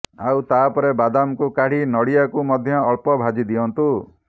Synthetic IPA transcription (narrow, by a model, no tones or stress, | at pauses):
awt̪apɔɾebad̪amkukaɽ̤inɔɽijakumɔd̪ʱjɔːɭpɔbʱad͡ʒid̪iɔnt̪u